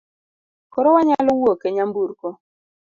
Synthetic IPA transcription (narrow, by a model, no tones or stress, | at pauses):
kɔɾɔwaɲalɔwokeɲambuɾkɔ